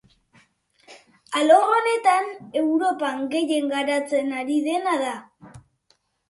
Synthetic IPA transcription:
aloone̞t̪anewɾo̞paŋɡe̞je̞ŋɡaɾat͡senaɾiðe̞naða

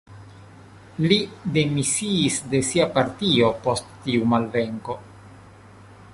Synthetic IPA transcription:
lide̞misiːsde̞siapaɾtio̞po̞stːiumalve̞ŋko̞

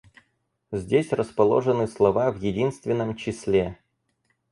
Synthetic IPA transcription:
zʲdʲesʲrəspɐlˠo̞̰ʐɨnɨslˠɐvavjɪdʲinst̪vʲɪnːəmt͡ɕɪsʲlʲe

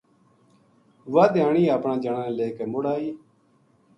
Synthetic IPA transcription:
ʋaːd̪aːɳiːaːpɳãːd͡ʒəɳãːleːkeːmʊɽaːiː

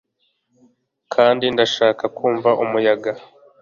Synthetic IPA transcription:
kʰaːndindaʃaːkakʰuːɱvaʔumujaɡa

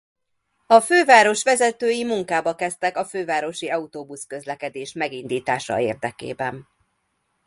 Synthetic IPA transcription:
ɒføːvaːɾo̞ʃʋɛzɛt̪øːjimuŋkaːbɒkɛst̪ɛkɒføːvaːɾo̞ʃiɒut̪oːbuskø̞zlɛkɛd̪eːʃmɛɡind̪iːt̪aːʃɒ̰eːrd̪ɛkḛːbɛn

